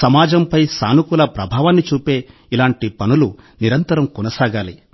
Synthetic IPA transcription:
sɐmaːd͡ʒɐmpɐjsaːnukulɐpɾɐbʱaːʋaːnːit͡ʃuːpe̞ː | ilaːɳʈipɐnuluniɾɐnt̪ɐɾɐmkɔnɐsaːɡaːli

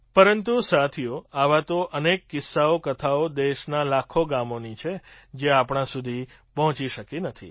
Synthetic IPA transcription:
pəɾənt̪usat̪ʰijoaʋat̪oʔənekːɪsːaokət̪ʰaod̪eʃnalakʰoɡamonit͡ʃʰe | d͡ʒeapɳ̃ãsud̪ʱi | pɔɦɔ̃t͡ʃiʃəkinət̪ʰḭ

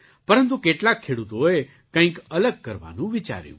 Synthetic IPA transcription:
pɐɾə̃nt̪ukeːʈlakʰːeːɽut̪oe | kə̃ĩkələɡ̚kəɾʋa̰ːnũʋɪt͡ʃa̰ːɾjṵ̃ː

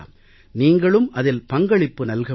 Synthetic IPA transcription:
m | niːŋɡɐɭɯmʔɐðɪlpɐŋɡɐɭɪpːɯnɐlɣɐ

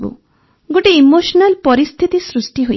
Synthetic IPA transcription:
bṵ | ɡoʈiːmosɔnalpɔɾist̪ʰit̪isɾusʈiɦo̰

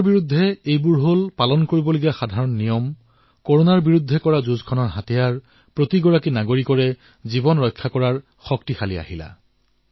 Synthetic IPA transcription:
ɹbiɹud̪ʱːɛejbʊɹɦolpalɔnkoɹibɔloɡijaxadʱaɹɔnːijɔm | koɹonaɹbiɹud̪ʱːɛkɔɹazuzkʰɔnɔɹɦatijaɹ | pɹotiɡɔɹakinaɡoɹikɔɹɛ | zibɔnɹɔjkʰːakɔɹaɹ | xɔktixalia̰hila̰

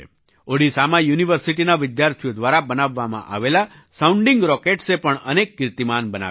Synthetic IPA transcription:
oɽisamajuniʋəɾsiʈinaʋɪd̪jaɾt̪ʰijod̪ʋaɾabənaʋːamã̰ʔa̰ʋela | saũɳɖɪŋɡɾɔkeʈsepəɳənekːɾt̪imanbəna̰

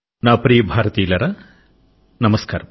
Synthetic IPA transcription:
naːpɾijɐbʱaːɾɐt̪iːlɐɾɐ | nɐmɐskaːɾɐm

